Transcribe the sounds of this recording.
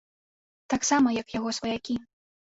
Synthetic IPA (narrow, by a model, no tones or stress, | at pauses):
t̪aksamɐjɐkjaɣɔsvɐjakʲi